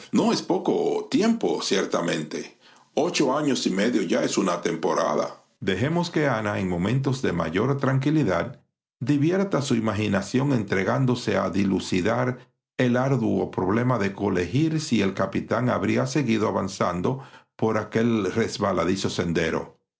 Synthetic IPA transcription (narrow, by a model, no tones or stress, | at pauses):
no̞espo̞ko̞t̪je̞mpo̞sjeɾt̪amẽ̞nt̪e | ot͡ʃo̞aɲo̞simeðjoʝaesunat̪e̞mpo̞ɾa̰ða̰ | d̪e̞ɦe̞mo̞ske̞anaeŋmo̞mẽ̞nt̪o̞zðe̞ma̰ʝo̞ɾt̪ɾaŋk̬iliðad̪ | d̪iβje̞ɾt̪asuimaxinasjo̞ŋe̞nt̪ɾe̞ɣand̪o̞se̞a̰ðilusiðaɾ | e̞laɾðuopɾo̞βle̞maðe̞ko̞le̞hiɾsie̞lkapit̪aŋaβɾiase̞ɣiðoaβansand̪o̞po̞ɾake̞lre̞zβalaðiso̞se̞nd̪e̞ɾo̞̰